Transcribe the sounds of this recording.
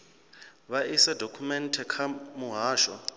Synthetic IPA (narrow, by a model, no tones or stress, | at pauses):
βaʔisadʱokʰumɛntʰɛkʰamuɦaːʃɔ̰